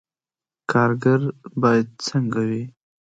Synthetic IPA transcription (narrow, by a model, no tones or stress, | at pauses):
kʰɑɾɡaɾbɑjad̪̚t͡səŋɡawi